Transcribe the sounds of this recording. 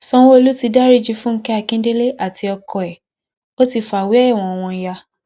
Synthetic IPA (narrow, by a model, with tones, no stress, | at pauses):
sɔ̃˧w̃o˧lu˦ti˧da˦ɾi˦˨d͡ʒi˧˦fũ˦n̩˦kɛ˦a˧kĩ˦de˦le˦ʔa˦˨ti˧˦ɔ˧kɔ˨ɛ˨ | o˦ti˧fa˨wi˨˦ɛ˦˨w̃ɔ̃˨˧ɔ˨w̃ɔ̃˧ja˧